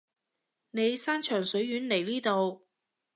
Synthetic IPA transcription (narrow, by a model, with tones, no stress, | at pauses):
ne˨˧jsaː˥nt͡ʃʰœː˨˩ŋsɵ˨˥ɥjyː˨˥nle˨˩jliː˥t̪o˨˧w